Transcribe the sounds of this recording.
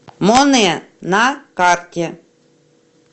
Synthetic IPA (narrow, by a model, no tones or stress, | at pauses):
monenakaɾtʲe